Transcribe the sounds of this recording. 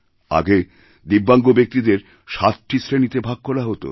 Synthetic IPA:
a̰ɡe | d̪ibːaŋɡobek̚t̪id̪eɾ | ʃat̪ʈisɾenit̪ebʱaɡ̚kʰolaɦot̪o̰

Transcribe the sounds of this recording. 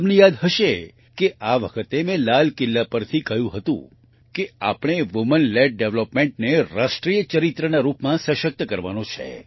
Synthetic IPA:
mnijad̪ɦəʃe | keʔaʋəkʰət̪emẽlalkɪlːapəɾt̪ʰikəɦjũɦət̪ṵ̃ | kea̰pɳ̃eʋumənleɖ̚ɖeʋlopmẽɳʈneɾaʃʈɾijət͡ʃəɾit̪ɾənaɾupmãsəʃək̚t̪əkəɾʋanõt͡ʃʰḛ

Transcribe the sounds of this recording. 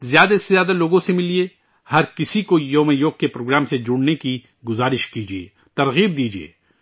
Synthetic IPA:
zjaːd̪asezjaːd̪aloːɡõsemɪlie | hɐɾkɪsikojoːmejoːɡ̚kepɾoːɡɾaːmsed͡ʒʊɽneki | ɡʊzaːɾɪʃkiːd͡ʒiḛː | t̪ɐɾɣiːb̚d̪iːd͡ʒiḛː

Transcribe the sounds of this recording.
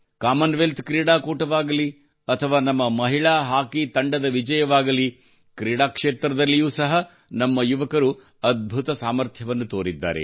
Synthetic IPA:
kaːmɐnʋelt̪kɾiːɽaːkuːʈɐʋaːɡɐli | ɐt̪ʰɐʋaːnɐmːɐmɐɦiɭaːɦaːkit̪ɐɳɖɐd̪ɐʋid͡ʒɐjɐʋaːɡɐli | kɾiːɽaːkʂeːt̪ɾɐd̪ɐlːijuːsɐɦɐ | nɐmːɐjuʋɐkɐɾu | ɐd̪̚bʱut̪ɐsaːmɐɾt̪ʰjɐʋɐnːut̪oːɾid̪ːa̰ːɾḛ

